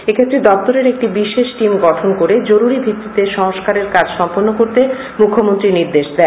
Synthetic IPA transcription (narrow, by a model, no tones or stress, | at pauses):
ekʰet̪ːɾed̪ɔp̚t̪oɾeɾek̚ʈibiʃeʃʈimɡɔʈʰonkoɾed͡ʑoɾuɾibʱit̪ːit̪eʃɔŋoʃkaɾeɾkad͡ʑʃɔmponːokoɾt̪e | mukʰːomont̪ɾiniɾd̪eʃd̪ɛ